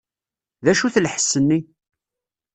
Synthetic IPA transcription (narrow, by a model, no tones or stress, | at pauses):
ðæʃuθlħə̥sːənːi